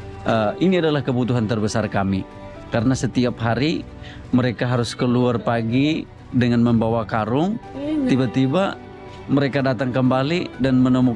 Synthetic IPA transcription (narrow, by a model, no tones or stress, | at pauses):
əiniadalahkəbut̪uɦant̪ərbəsarkami | kaɾənasət̪iapɦaɾi | məɾekaɦaɾʊskəluarpaɡi | dəŋanməmbawakaɾʊŋt̪ibat̪iba | məɾekadat̪aŋkəmbalidanmənɔmu